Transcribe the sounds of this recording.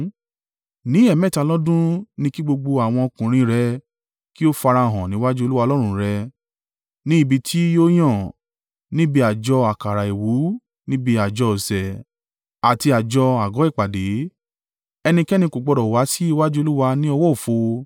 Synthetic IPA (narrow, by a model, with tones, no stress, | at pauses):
nĩ˨˦ɛ˦˨mɛ̃˦˨ta˨˧lɔ˦dũ˦nĩ˧ki˦ɡ͡bo˧ɡ͡bo˧a˨w̃ɔ̃˧o˧kũ˨ɾ̃ĩ˧ɾɛ˧ | ki˦o˦fa˧ɾa˧˨ɦɔ̃˨nĩ˨˦wa˦d͡ʒu˦o˧lu˦wa˧lɔ˦ɾ̃ũ˧ɾɛ˧ | nĩ˦i˦˨bi˧tʰi˦jo˦j̃ɔ̃˦˨ | nĩ˦bi˧a˨d͡ʒɔ˧a˨ka˨ɾa˨e˨wu˨˦ | nĩ˦bi˧a˨d͡ʒɔ˧o˨sɛ˨ | a˨ti˧a˨d͡ʒɔ˧a˨ɡɔ˨˦i˦˨k͡pa˨de˨˦ | ɛ˧nĩ˧kɛ˦nĩ˧ko˨ɡ͡bɔ˧ɾɔ˨wa˨˦si˦i˧wa˦d͡ʒu˦o˧lu˦wa˧nĩ˦ɔ˧wɔ˦o˨fo˧